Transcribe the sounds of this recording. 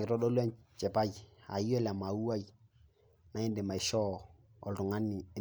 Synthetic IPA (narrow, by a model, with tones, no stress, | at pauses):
kɪ˨ɾɔ˦ɗɔ˦lwɛ˦nt͡ʃɛ˨pa˦ja̰˨jɛ˦la˨ma˨u˦a˦j | na˦ɛ˦ndɛ˨ma˨ɪ˨ʃɔ˦ | ɔ˨ltʊ˨ŋa˦nɪ˨˦